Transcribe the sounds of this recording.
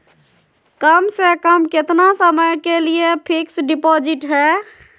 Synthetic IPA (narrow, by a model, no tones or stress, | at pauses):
kəmsekəmkɪt̪nasəməjkeliepʰiksɖipod͡ʒɪʈɦɛ